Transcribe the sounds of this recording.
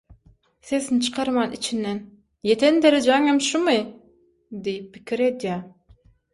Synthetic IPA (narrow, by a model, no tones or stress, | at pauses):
seznt͡ʃʰɨ̥qʰɑɾmɑnḭt͡ʃʰinːɛn | jet̪ʰend̪eɾed͡ʒeŋemʃumɨ | d̪ejip̚ːikʲiɾed̪ja